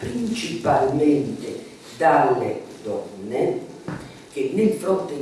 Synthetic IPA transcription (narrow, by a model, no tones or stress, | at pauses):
pɾint͡ʃipalmɛnt̪e | d̪alːed̪ɔnːe | k̟enefɾɔt̪e